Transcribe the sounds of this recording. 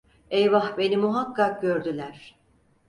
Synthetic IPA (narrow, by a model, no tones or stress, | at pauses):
ɛjvahbe̞nimuɦakːak̚ɟøɾd̪ylʲæɾ̥